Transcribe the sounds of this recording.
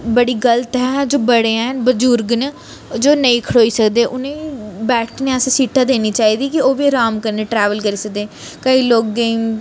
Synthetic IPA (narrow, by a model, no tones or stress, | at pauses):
bəɽiːɡəlt̪ɦɛːd͡ʒoːbəɽeːãbəd͡ʒuːɾɡn | d͡ʒoːnəĩːkʰəɽoːiːsəkd̪eːʔʊnẽːbɛːʈneːəssiːʈʰãːd̪eːniːt͡ʃaːiːd̪iːkɪoːʋiːɾaːmkəɾneːʈɾɛːʋəlkəɾiːsək̚d̪eː | kəiːloːkːe